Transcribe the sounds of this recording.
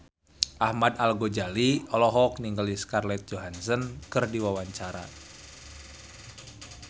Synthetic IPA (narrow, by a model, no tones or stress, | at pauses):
ʔahmadalɡod͡ʒaliɔlɔɦɔkniŋɡəliskarlɛt̪̚d͡ʒoɦansənkɨrdiwawaɲt͡ʃaɾa̰